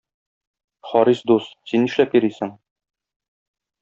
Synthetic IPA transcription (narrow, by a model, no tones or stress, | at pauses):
χɒɾisd̪ust̪sinːiʃlæpjiɾisɘŋ